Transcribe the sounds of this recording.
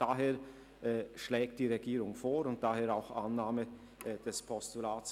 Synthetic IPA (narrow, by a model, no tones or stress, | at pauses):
d̥aɦeːɐ | ʔɛʃlɛːkt̚d̥iːʁeɡiːʁʊŋfoːɾʊnt̚d̥aːheːɐɾaʊxʔa̰nːaːmə | d̥ɛspʰɔstulaːs